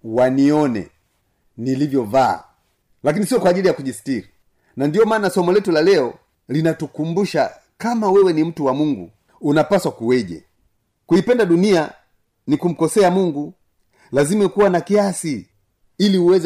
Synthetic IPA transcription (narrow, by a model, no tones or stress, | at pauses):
waniɔnɛ̰ | nilivjɔva̰ː | lakinisiɔkwaːʄilijakuʄisi̥tiɾi | nandijɔmaːnasɔmɔlɛtulalɛɔ | linatukumbuʃa̰ | kamawɛwɛnim̩tuwamuŋɡṵ | unapaswakuwɛʄɛ̰ | kuipɛndaɗunia | nikum̩kɔsɛamuŋɡu | lazimakuwanakiasi | iliuwɛzɛ